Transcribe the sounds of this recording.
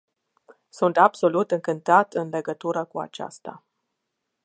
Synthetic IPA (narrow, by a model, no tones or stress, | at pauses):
sunt̪abso̞lut̪ɨŋkɨnt̪at̪ɨnle̞ɡət̪uɾəkua̰t͡ʃa̰st̪a̰